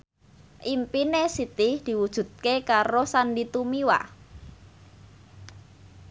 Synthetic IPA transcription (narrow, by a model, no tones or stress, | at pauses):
ʔimpinesit̪ɪhd̪̥i̤wud̥ʒ̥ṳt̪̚kekaɾosanɖit̪umiwa̰